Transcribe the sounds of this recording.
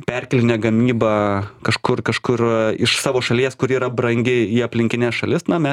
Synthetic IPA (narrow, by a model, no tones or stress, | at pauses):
pʲɛrʲkʲɛlʲɪnʲɛɡɐmʲiːbɑːkɐʃkʊrkɐʃkʊrɪʃsɑːʋoːʃɐlʲiɛskʊɾiːɾɐbɾɐŋʲɡʲɪiːɐpʲlʲɪŋʲkʲɪnʲæːsʃɐlʲɪsnɐmʲɛ